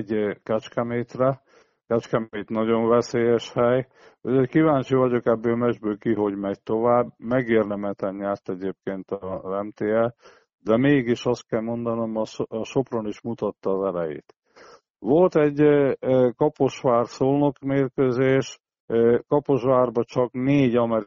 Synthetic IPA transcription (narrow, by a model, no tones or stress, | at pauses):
ɟkɛt͡ʃkɛmeːt̪rɛ | kɛt͡ʃkɛmeːt̪nɒɟo̞ɱvɛseːjɛʃhɛj | uockivaːɲt͡ʃivɒɟo̞kɛbːøːlmɛʒbøːlkiɦo̞ɟmɛɟ̚t̪o̞vaːbmɛɡeːrd̪ɛmɛt̪ɛnɲaːrt̪ɛɟeːp̚keːnt̪ɒzɛmt̪eːɛ | d̪ɛmeːɡiʃɒst̪̚kɛlmo̞nd̪ɒnomɒʃo̞proniʃmut̪ɒt̪ːɒːzɛlɛjḛːt̪ | ʋo̞lt̪ɛɟ | kɒpo̞ʃʋaːrsoːlno̞kmeːrkøzeːʃ | kɒpo̞ʃʋaːrbɒt͡ʃɒkneːɟɒmɛɾ